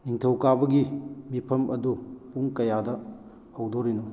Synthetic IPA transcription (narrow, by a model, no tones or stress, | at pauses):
niŋtʰɐwkabɐɡimipʰɐmʔɐdupuŋkɐjadɐ | hɐwdoɾino